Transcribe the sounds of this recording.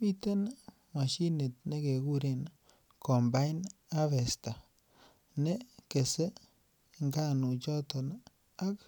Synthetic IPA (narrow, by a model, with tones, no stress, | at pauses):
mi˦te˦n | mwa˨ʃi˦ne˨t̚ne˦ke˨ku˦ɾe˨n | kɔ˨mba˦jn | a˦fe˨sta˨ | ne˦ke˨se˦ | ŋɡa˦nu˨t͡ʃɔ˦tɔ˨n | a˦k